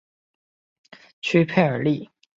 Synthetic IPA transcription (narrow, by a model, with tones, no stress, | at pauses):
t͡ɕʰy˥pʰe˥˩ɪə˞˨˩li˥˩